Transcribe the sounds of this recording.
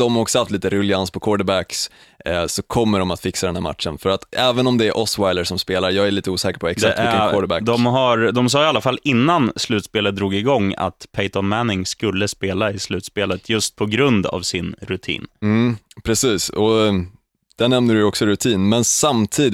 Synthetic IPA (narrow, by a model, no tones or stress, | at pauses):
d̪ɔmhaɾɔksɔhaft̪liːt̪əɾɵlɪanspʰɔkʰɔːɖəbækssɔkʰɔmːəɖɔmat̪fɪksad̪ɛnhæ̰ɾma̰t̪ʂənfœɾat̪ɛːvənɔmd̪ɛæɾʔɔswajləʂɔmspeːlaɾjɑːɡæɾɭiːt̪əuːsɛːkəɾpʰɔɛk̪t̪sak̪ɪkːaɔːɖəbæ̰kd̪ɔmɦaɾd̪ɔms̬ɑːalːafalːɪnːanslʉ̟ːt̪speːlət̪̚d̪ɾuːɡɪɡɔŋːa̰t̪pʰeɪt̪ɔnmænɪŋskɵlːəspeːlaɪslʉ̟ːt̪speːlət̪ʰjɵst̪̚pʰɔɡɾɵnd̪a̰vsɪnɾɵt̪ʰḭːnm̩pʰɾɛsiːsɔ | d̪̥æɳɛmnəɖɵjɔksɔɾɵt̪ʰiːnmɛnsamt̪ʰiːd̪